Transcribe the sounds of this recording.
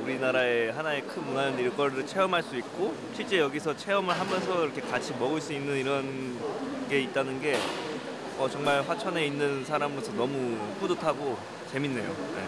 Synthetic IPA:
uɾinaɾae̞ɦanae̞kʰɯnmunanɯniɭk͈ʌɾɾɯt͡ɕʰe̞ʌmɦaɭs͈uik̚k͈o | ɕʰiɭt͡ɕ͈e̞jʌɡisʰʌt͡ɕʰe̞ʌmɯɭɦamjʌns̬ʰʌiɾʌkʰekat͡ɕʰimʌɡɯɭs͈uinːɯniɾʌn | ɡe̞it̚t͈anɯnɡe̞ | ʌt͡ɕʌŋmaɭɸwat͡ɕʰʌne̞inːɯnsʰaɾamɯsʰʌnʌmukudɯtʰaɡo | t͡ɕe̞minːe̞jo̰nḛ

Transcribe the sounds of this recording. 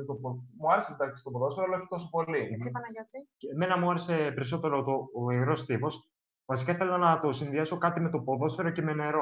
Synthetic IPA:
t̪opomuɐɾesed̪ɐksi̥t̪opoðoseɾoɐlɐoçi̥t̪o̞sopo̞liiɐnɐot̪ime̞nɐmuɐɾese̞pe̞ɾiso̞t̪e̞ɾot̪oːiɣɾo̞st̪ifo̞s | vɐsi̥kaiθelɐnɐt̪o̞sinðiɐso̞kɐt̪ime̞t̪o̞po̞ðo̞seɾo̞ce̞me̞ne̞ɾo̞

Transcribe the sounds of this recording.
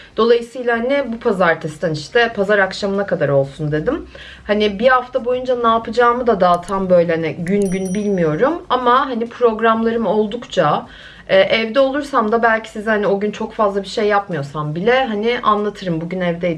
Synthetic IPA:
d̪̥o̞lˠajɯsɯjlˠahanɪbupʰazaɾt̪ʰɛst̪ʰæniʃt̪ʰɛpʰazaɾakʃamɯnakad̪aɾo̞lˠsund̪e̞d̪im | hanɪbihaft̪ʰabo̞jund͡ʒanaːpʰɯd͡ʒaːmɯd̪ad̪aːt̪ʰambø̞jlʲɛhaniɟynɟynbilʲmijo̞ɾumamaɦanipʰɾo̞ɡɾamlˠaɾɯmo̞lˠd̪ukt͡ʃʰa | ɛːʔɛvd̪ɛo̞lˠuɾsamd̪abælʲcʰi̥sizhanio̞ɟynt͡ʃʰo̞kfazlˠabiʃe̞jːapmɯjo̞sambilʲɛɦanɪʔanlˠat̪ʰɯɾɯmbuɟynɛvd̪ɛ

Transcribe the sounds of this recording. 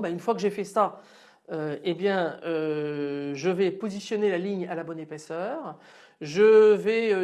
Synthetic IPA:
baynfwakəʒefɛsa | øebjɛ̃ø | ʒəvɛpozisjɔnelaliɲalabɔnepɛsœːʁ | ʒəvɛø

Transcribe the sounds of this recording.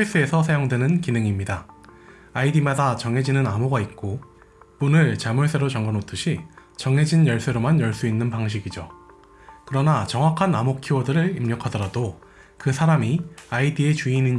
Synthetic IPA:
is͈ɯesʰʌsʰajoŋdwe̞nɯnkinɯŋimɲida | aidimadat͡ɕʌŋɦe̞d͡ʑinɯnamoɡait̚k͈o | punɯɭt͡ɕamuɭs͈e̞ɾot͡ɕʌŋɡʌnotʰɯɕʰit͡ɕʌŋɦe̞d͡ʑinjʌɭs͈eɾomanjʌɭs͈uinːɯnpaŋɕ̬ʰiɡid͡ʑo | kɯɾʌnat͡ɕʌŋwakʰanamokʰiwodɯɾɯɭimɲʌkʰadʌɾado | kɯsʰaɾamiaidie̞t͡ɕuinin

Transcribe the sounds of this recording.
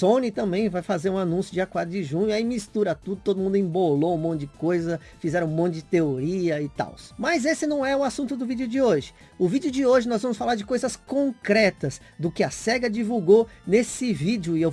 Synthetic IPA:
sõnɪt̪ɐ̃mbẽj̃vajfazeɾũanũsjʊd͡ʒiakwad̪ɾʊd͡ʒɪʒũɲʊaimist̪uɾɐt̪ud̪ʊt̪od̪ʊmũnd̪ʊĩboloũmõt͡ʃ̪ʊd͡ʒɪkojzɐ | fizɛɾɐ̃ũmõt̪ʊɪd͡ʒɪt̪eoɾiɐɪt̪a̰wsmɐzesɪnɐ̃w̃ɛʊasũnt̪ʊd̪ʊvid͡ʒʊd͡ʒɪoʒɪ̥ | ʊvid͡ʒɪʊd͡ʒɪoʒɪnɔzvɐ̃mʊsfalaɾd͡ʒɪkojzɐskõkɾɛt̪ɐs | d̪ʊkɪɐsɛɡɐd͡ʒivuwɡonesɪvid͡ʒʊɪew

